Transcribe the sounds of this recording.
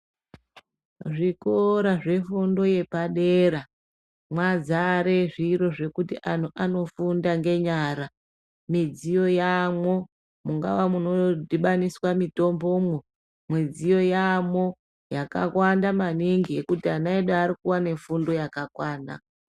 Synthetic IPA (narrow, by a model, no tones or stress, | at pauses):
ʐiko̞ɾaʐe̞fundo̞je̞paɗeɾa | mwad͡zaɾe̞ʐiɾo̞ʐe̞kutiʔan̤uʔano̞fundaŋɡe̞ɲaɾa | mid͡zijo̞jamwo | muŋɡa̰ʋamuno̞dʱiɓaniswamito̞mbo̞mo | mwid͡zijo̞jamo̞ | jaka̰kwandamaniŋɡiekutianaeɗaːɾikuwane̞fundo̞jakakwaːna̰